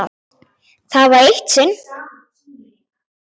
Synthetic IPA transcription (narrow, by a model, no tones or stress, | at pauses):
θaðvaɾejht̪sɪn